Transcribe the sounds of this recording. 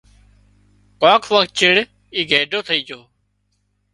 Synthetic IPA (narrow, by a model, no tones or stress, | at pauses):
kãːkʰʋəkt̪̚t͡ʃɪɽ | iːɡʱeːɖʱoːt̪ʰəiːd͡ʒoː